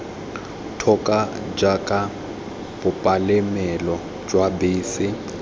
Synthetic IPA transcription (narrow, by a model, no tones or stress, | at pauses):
tʰɔkʼa | d͡ʒakʼa | b̥ʊpʼalɪmɛlɔ | d͡ʒwabɪːsɪ